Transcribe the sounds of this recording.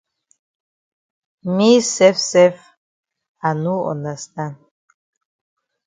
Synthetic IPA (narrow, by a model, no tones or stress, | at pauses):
misɛfsɛf | anuɔ̰nast̪an